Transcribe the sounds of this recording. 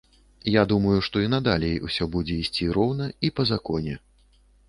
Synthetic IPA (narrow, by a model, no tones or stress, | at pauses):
jad̪umɐjuʂt̪ɔinɐd̪alʲɛjṵsʲɔbud͡zʲɛisʲt͡sʲiɾɔwnɐipɐzakɔnʲɛ